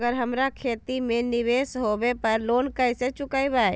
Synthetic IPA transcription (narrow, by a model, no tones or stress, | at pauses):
ɡəɾɦəmɾakʰeːt̪imẽnɪʋeːsɦoːbepɐɾloːnkəɪset͡ʃʊkaːibaːe